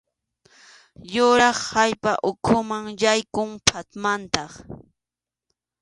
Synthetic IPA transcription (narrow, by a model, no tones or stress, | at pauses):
jʊɾɑχhajpaʔʊkʰʊmaŋjajkʊŋpʰat̪mant̪ɑχ